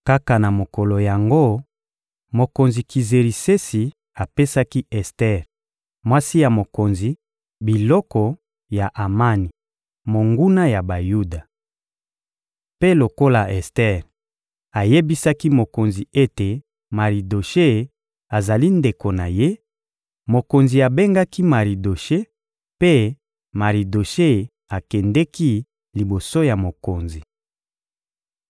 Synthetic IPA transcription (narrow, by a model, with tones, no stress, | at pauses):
ka˦ka˨na˨mo˨kɔ˨lo˨ja˨ŋɡo˦ | mo˨ko˨nzi˨ki˨ze˨ʁi˨se˦si˨ | a˨pe˦sa˦ki˦ɛ˨stɛ˦˨ʁ | mwa˦si˦ja˨mo˨ko˨nzi˨ | bi˨lɔ˦kɔ˨ | ja˨ʔa˨ma˦ni˨ | mo˨ŋɡu˦na˦ja˨ba˨ju˦da˨ | pe˦lo˨ko˦la˨ɛ˨stɛ˦ʁ | a˨je˦bi˦sa˦ki˦mo˨ko˨nzi˨e˦te˨ | ma˨ʁi˨do˨ʃe˦ | a˨za˨li˦nde˨ko˨na˨je˦ | mo˨ko˨nzi˨a˨be˦ŋɡa˦ki˦ma˨ʁi˨do˨ʃe˦ | pe˦ | ma˨ʁi˨do˨ʃe˦ | a˨kɛ˨ndɛ˦ki˦ | li˨bo˨so˦ja˨mo˨ko˨nzi˨